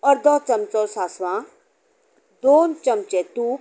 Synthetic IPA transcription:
ɔɾd̪ɔt͡ʃɐmt͡sɔːsaːsʋãː | d̪oːnt͡ʃɐmt͡ʃet̪u

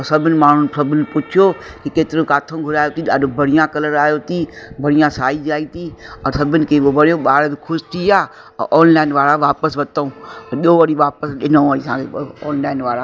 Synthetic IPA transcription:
sɐbʱɪnɪ̆maːɳ̤ʊnɪsɐbʱɪnɪ̆pʊt͡ʃʰijokikeːt̪ɪɾõkaːt̪ʰõɡʱʊɾaːjot̪iɗaːɖobʱɐɽ̤ɪjãkɐləɾaːjoːt̪ibɐɽɪjãsaːid͡ʒaːit̪ʰiəsɐbʱɪnɪ̆kʰeoʋɐɽjoɓaːɾet̪kʰʊʃt̪ʰia̰ː | ʔɔːnlaːɪnʋaːɾaʋaːpəsʋɐt̪oũːɗoːʋɐɽiʋaːpəsɗɪnõʋəɽisãːkeɔːnlaːɪnʋaːɾa

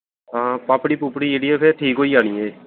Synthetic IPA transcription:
ɦãːpaːpɽiːpupɽieːɽieːpʰeɾʈʰiːkɦoːiːaːñiːeː

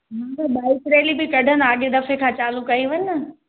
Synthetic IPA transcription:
mãːkɐɓaːɪkɾeːlibɪkɐɖʱən̆aːɠed̪ɐfekʰãːt͡ɕaːlukɐiʋɐɲnɐ

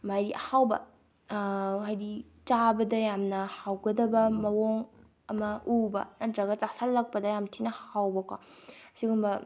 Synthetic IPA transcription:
majdiʔɐhawbɐ̰ | ɦajdi | t͡ʃabɐdɐjamnɐhawɡɐdɐbɐmɐwoŋ | ɐmɐʔubɐ̰nɐtɾɐɡɐt͡ʃasalːɐk̚pɐdɐjamtʰinɐhawbɐkasiɡumbɐ

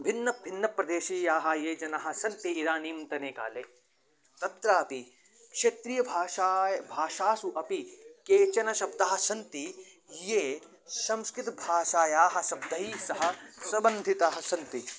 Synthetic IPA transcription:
bʱinːɐbʱinːɐpɾɐd̪eːʃiːjaːɦɐ̆jeːd͡ʒɐnaːɦɐ̆sɐnt̪iːɾaːniːmt̪ɐneːka̰ːleː | t̪ɐt̪ɾaːpi | kʂet̪ɾiːjɐbʱaːajbʱaːʃaːsuʔɐpikeːt͡ʃɐnɐʃɐb̚d̪ɐːɦɐ̆sɐnt̪i | jeː | sɐmskɾɪt̪ɐbʱaːʃaːjaːɦɐ̆sɐb̚d̪ʱɐiːsɐɦɐ̆sɐbɐnd̪ʱit̪aːɦɐ̆sɐnt̪i

